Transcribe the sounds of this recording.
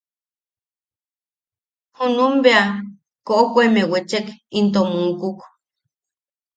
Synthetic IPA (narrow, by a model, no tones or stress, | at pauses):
hunumbea | koʔokʷemewet͡ʃekint̪omuŋkuk